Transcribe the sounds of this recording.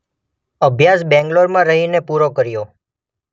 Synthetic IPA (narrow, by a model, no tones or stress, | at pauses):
əbʱjas̬bɛ̃ŋɡloɾmãɾəɦinepuɾokəɾjo